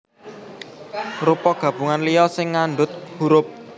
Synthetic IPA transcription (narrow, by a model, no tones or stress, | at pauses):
rupɔɡ̥a̤b̥ṳŋanlijɔsɪŋːanɖʊt̪̚huɾʊp̚